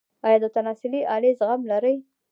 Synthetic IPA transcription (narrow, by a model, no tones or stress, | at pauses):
ɑjɑd̪ət̪anɑsɪliʔɑlezɣamlaɾəj